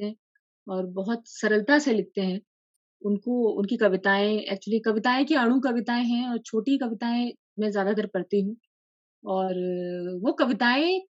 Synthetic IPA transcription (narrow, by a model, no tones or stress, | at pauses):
ɛ̃ | ɔːɾbɐɦʊt̪sɐɾəlt̪aselɪk̚t̪eɦɛ̃ | ʊnkoʊ̰nkikɐʋɪt̪aːẽɛ̰ːk̚t͡ʃuəlikɐʋɪt̪aːẽkiaːɽ̃ũkɐʋɪt̪aːẽɦɛ̃ɔːɾt͡ʃʰoːʈikɐʋɪt̪aːẽ | mɛ̃zjaːd̪at̪ɐɾpɐɽt̪iɦũː | ɔːɾʋokɐʋɪt̪aːẽ